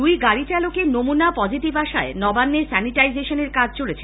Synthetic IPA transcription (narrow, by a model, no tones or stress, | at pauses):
ujɡaɽit͡ɕalokenomunapɔd͡ʑiʈibaʃaenɔbanːesɛniʈajd͡ʑeʃoneɾkad͡ʑʱt͡ɕolet͡ɕʰe